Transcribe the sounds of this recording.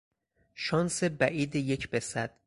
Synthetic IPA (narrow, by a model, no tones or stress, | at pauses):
ʃɒːnsebæʔiːd̪ejecʰbesæd̪̥̚